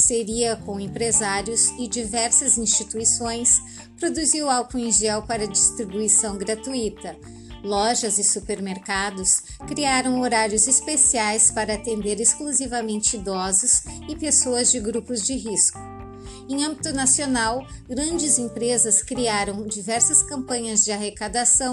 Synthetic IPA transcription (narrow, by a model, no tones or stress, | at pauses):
seɾiɐkõẽpɾezaɾjʊzɪd͡ʒivɛɾsɐzĩst͡ʃit̪uisõj̃s | pɾod̪uziwawkʊẽʒɛwpaɾɐd͡ʒist̪ɾibuisɐ̃w̃ɡɾat̪uit̪ɐ | lɔʒɐzɪsupeɾmeɾkad̪ʊs | kɾiaɾɐ̃w̃oɾaɾjʊzispesiajspaɾɐat̪ẽnd̪eɾeskluzivɐmẽnt͡ʃɪid̪ɔzʊsɪpesoɐzd͡ʒɪɡɾupʊzd͡ʒɪɦiskʊ̥ | ẽj̃ɐ̃mbit̪ʊnasionaw | ɡɾɐ̃d͡ʒɪzẽpɾezɐskɾiaɾɐ̃w̃d͡ʒivɛɾsɐskɐ̃mpɐ̃ɲɐzd͡ʒɪaɦekad̪asɐ̃w̃